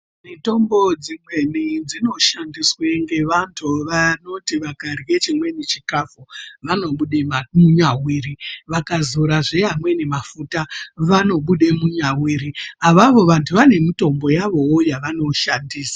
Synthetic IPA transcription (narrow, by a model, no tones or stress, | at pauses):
mito̞mbo̞d͡zimwe̞nid͡zino̞ʃandiswe̞ŋɡe̞ʋantʰuʋano̞tiʋakariɣe̞t͡ʃimwe̞net͡ʃikafuʋano̞ɓuɗemuɲawiːriʋakazuɾaʐejamwe̞ne̞mafutaʋano̞ɓuɗe̞muɲawiːɾiaʋaʋo̞ʋantʰuʋane̞mito̞mbo̞jaʋo̞wojaʋano̞ʃandiːsḁ